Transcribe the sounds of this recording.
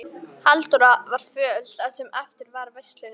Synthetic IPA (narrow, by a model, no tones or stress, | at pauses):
halt̪uɾavaɾ̥fœːlt̪asɛmɛft̪ɪɾvaɾvɛjst̪lɪnɪ